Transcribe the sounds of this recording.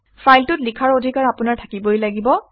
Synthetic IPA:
pʰajltʊtlikʰaɹodʱikaɹapʊnaɹtʰakibojlaɡibɔ

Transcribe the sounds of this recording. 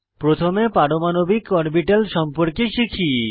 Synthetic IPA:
pɾot̪ʰomepaɽomanobikɔɾbiʈalʃɔmpoɾkeʃikʰi

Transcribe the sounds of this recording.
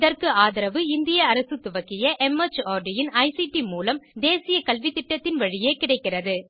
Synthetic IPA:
ðɐrkɯaːðɐɾɐʋɯɪnd̪ɪjɐːɾɐsɯt̪ːʊʋɐkːɪjɐʔɛmɐt͡ʃaːɾɖɪjɪnɐɪsiʈimuːlɐmd̪eːsɪjɐkɐlʋɪt̪ːɪʈːɐt̪ːɪnʋɐɻɪjeːkɪɽɐɪkːɪrɐðɯ

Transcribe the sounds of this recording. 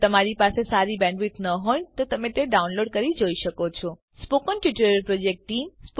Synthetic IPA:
t̪əmaɾipasesaɾibɛ̃ɳɖʋit̪nəɦojt̪ot̪əmẽt̪eɖaunloɖkəɾid͡ʒoiʃəkot͡ʃʰɔ | spokənkjuʈəɾəɾpɾod͡ʒek̚ʈʈːimsp

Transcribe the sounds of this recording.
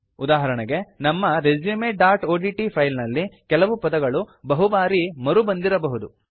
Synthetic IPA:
ud̪aːɦɐɾɐɳɐɡe̞nɐmːɐɾed͡ʒjumeɖaːɾʈoːɖiʈipʰɐjlnɐlːikɛlɐʋupɐd̪ɐɡɐɭubɐɦubaːɾimɐɾubɐnd̪iɾɐbɐɦud̪u

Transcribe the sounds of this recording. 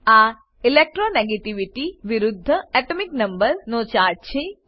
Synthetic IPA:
aː | ilek̚ʈɾoːneɡɐʈiʋiʈiʋiɾud̪ʱːɐɛʈomiknɐmbɐɾnoːt͡ɕaːɾt͡ɕʰe

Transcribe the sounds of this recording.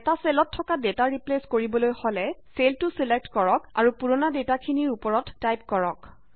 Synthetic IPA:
ɛtaselɔtʰːɔkadetaɹipleskoɹibɔlojholɛseltʊsilek̚tkɔɹɔka̰ɹupuɹɔnadetakʰiniɹupɔɹɔtːajp̚kɔɹɔk

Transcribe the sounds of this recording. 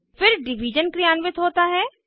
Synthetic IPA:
fɪɾɖɪʋid͡ʒənkɾijaːnʋɪt̪ɦoːt̪aɦɛː

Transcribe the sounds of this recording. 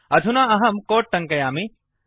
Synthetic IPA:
ɐd̪ʱunaːɐɦɐmkoːʈ̚ʈɐŋkɐjaːmi

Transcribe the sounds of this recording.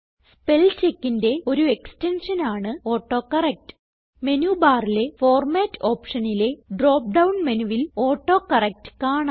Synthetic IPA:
spelt͡ɕekːinde̞o̞ɾue̞kste̞nʂɐnaːɳɨo̞ːʈːo̞ːkɐrɐk̚tɨ̥ | me̞nuːbaːrile̞fo̞ːrmaːtːo̞ːpʂɐnile̞ɖro̞ːp̚ɖɐwɳmenuʋilo̞ːʈːo̞ːkɐrɐk̚tɨ̥kaːɳa

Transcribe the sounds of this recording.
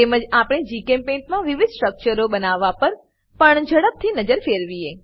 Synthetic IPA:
t̪eməd͡ʒapɽ̃ed͡ʒikẽmpẽɳʈmãʋɪʋɪd̪ʱsʈɾək̚t͡ʃəɾobənaʋːapəɾ | pəɳd͡ʒʱəɽəb̚t̪ʰinəd͡ʒəɾfeɾʋie

